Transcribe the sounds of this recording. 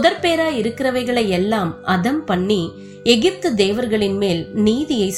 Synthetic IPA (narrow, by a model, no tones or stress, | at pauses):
ʊðɐɾpeːɾaːɪɾɯkːɪɾɐʋɐɪɣɐɭɐɪɛlːaːmʔɐðɐmpɐɳːi | ɛɣɪp̚t̪ɯd̪eːʋɐɾɣɐɭɪnmeːlniːðɪjɐɪs